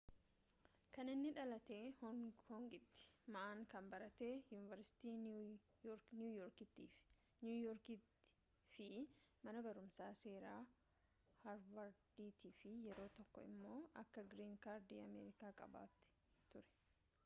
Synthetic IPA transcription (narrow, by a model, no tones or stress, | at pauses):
kɐnɪnːɪᶑɐlɐt̪e̞ːhɔkɔːŋɡɪt̪ːɪ̥mɐʔaːŋkɐmbɐɾɐt̪e̞ːjuːnɪvɐɾsɪ̥t̪iː | ɾnjuːjɔːɾkɪt̪ːiːf | njuːjɔɾkɪ̥ | fɪmɐnɐbɐɾʊmsaːse̞ːɾaː | hɐɾwɐɾd̪iːt̪ʰiːfɪjɛɾo̞ːt̪ɔkːɔɪ̰mːoːʔɐkːɐɡɾiːŋkaːɾd̪iːɐmeːɾɪkaːkʼɐ̰ba̰ːt̪ːɪ̥ | t̪ʊɾɛ̥